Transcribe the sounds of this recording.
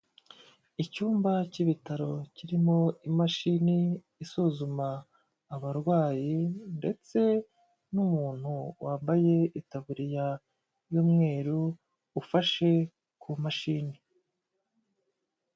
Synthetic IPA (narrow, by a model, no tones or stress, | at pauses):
icuːmbaciβitaɾo̞ciɾimo̞imaʃiniː | suzumaː | βaɾɡwaːjinde̞t͡se̞ | numuːn̥huwʔaːmbaje̞itaβuɾija | juːmŋe̞ːɾuː | faʃe̞ | kumaʃini